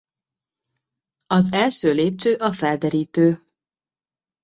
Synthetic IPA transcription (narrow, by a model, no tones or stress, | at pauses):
ɒzɛlʃøːleːp̚t͡ʃøːʔɒfɛld̪ɛɾiːt̪øː